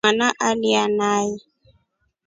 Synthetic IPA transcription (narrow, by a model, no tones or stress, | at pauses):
anaʔalianai